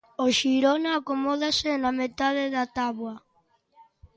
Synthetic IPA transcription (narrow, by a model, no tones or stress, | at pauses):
oʃiɾonaːkomɔðasenamet̪aðeðat̪aβwa